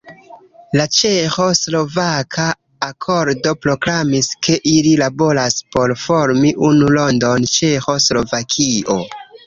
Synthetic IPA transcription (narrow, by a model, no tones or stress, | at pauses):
lat͡ʃe̞xo̞slo̞vakʰaː | kʰo̞ɾdo̞pɾo̞klamiskʰe̞ʔililabo̞laspo̞ɾfo̞ɾmiʔunulo̞ndo̞nt͡ʃe̞xo̞slo̞vakʰiʔo̞